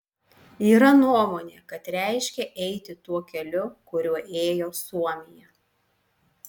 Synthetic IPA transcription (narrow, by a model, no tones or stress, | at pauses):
iːɾɐnuɔmoːnʲeːkɐt̪ɾʲæˑɪʃʲkʲɛʔɛɪt̪ʲɪt̪uɔkʲɛlʲʊkʊɾʲuɔʔeːjoːsuɔmʲɪjɛ